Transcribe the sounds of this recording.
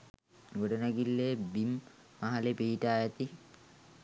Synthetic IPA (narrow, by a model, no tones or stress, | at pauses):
ɡoɖənaɡilːeːbimː | aɦalepiiʈaːjat̪i